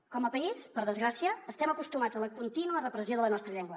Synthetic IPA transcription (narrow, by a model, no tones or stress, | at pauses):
kɔməpəispəɾðəzɣɾəsiaəst̪ɛməkust̪umad͡zələkunt̪inuərəpɾəsioðələnɔst̪ɾəʎɛŋɡwə